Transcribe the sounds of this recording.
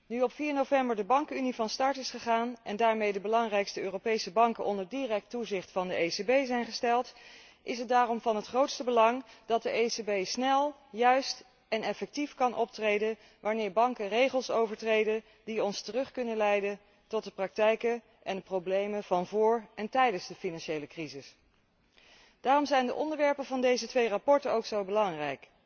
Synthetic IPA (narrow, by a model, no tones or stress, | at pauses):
nyɔpfiːɹnowvɛmbəɹdəbɑŋkəynivɑnstɑɹtɪsχəχaːnʔɛndaːɹmejdəbəlɑŋrɛjkstəøːrowpejsəbɑŋkəʔɔndəɹdirɛk̚tuzɪχtfɑndəejsebejzɛjnχəstɛlˠt | ʔɪsɦət̚daːrɔmvɑnɦətχrowtstəbəlɑŋd̥ɑt̚dəʔejsebejsnɛlˠjœɥst | ɛnɛfɛk̚tifkɑnʔɔp̚trejdən | ʋaːnɪːɹbɑŋkərejχəlˠsowvəɹtrejdən | diɔnstərɵχkɵnənlɛjdən | tɔt̚dəprɑk̚tɛjkə | ʔɛndəprowblejmənv̥ɑnvʊːɹɛntɛjdənzdəfinɑnʃejləkrizɪs | d̥aːrɔmzɛjndəʔɔndəɹʋɛɹpənvɑndejzətʋejrapɔɹtənowksowbəlɑŋrɛjk